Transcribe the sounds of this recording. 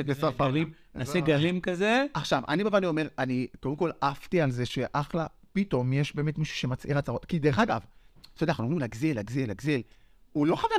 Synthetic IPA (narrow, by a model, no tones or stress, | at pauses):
ekesafaʁim | enaseɡalimkazeaχʃava̰nibavaʁliome̞ʁanikodemko̞laft̪ialzeʃe̞ʔaχla | pito̞mjeʃbe̞ːmetmiʃu̥ʃe̞mat͡sʔiʁat͡saʁo̞tkid̪eʁeχaɡavt̪od̪enaχnuomimlaɡzilːaɡzilːaɡzil | ulo̞χava